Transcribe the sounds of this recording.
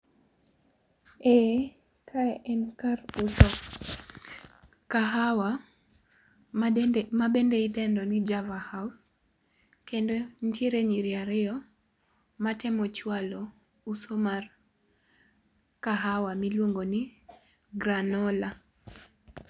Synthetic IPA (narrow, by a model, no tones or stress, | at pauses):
ɛ | kʰaʔɛnkaɾusɔ | kaɦawa | mabendeidɛndɔnid͡ʒavahaus | kendonteɾeɲiɾiaɾɪɔ | matɛmɔt͡ʃwalo | usomar | kaɦawamilwoŋɡoni | ɡɾanɔla